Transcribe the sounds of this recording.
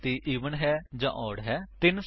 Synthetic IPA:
t̪iːʔiːʋənɦɛːd͡ʒã̰ːʔɔːɽɦɛːt̪ɪns

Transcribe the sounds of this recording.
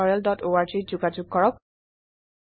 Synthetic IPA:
ɔɹɛldɔtoaɹzizʊɡad͡ʒʊɡ̚kɔɹɔk̚

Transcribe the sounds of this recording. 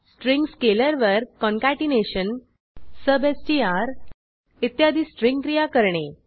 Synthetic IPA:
sʈɾiŋɡskeləɾʋəɾkɔŋkaʈineɕən | səbesʈiːaɾ | it̪jad̪ʱiːsʈɾĩŋɡkɾijakəɾɳe

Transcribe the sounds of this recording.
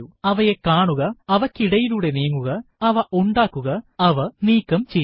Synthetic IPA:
uɐʋɐjekaːɳuɣɐɐʋɐkːiɽɐjiluːɽe̞niːŋːuɣɐɐʋɐʔuɳɖaːkːuɣɐɐʋɐniːkːɐmt͡ɕe

